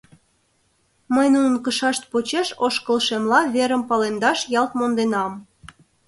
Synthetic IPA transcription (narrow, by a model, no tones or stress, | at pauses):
məjnunə̆nkəʃɑʃt̪̚pot͡ɕeʃoʃkəlʃemlɑβeɾə̆mpɑlend̪ɑʃjɑlt̪mond̪enɑm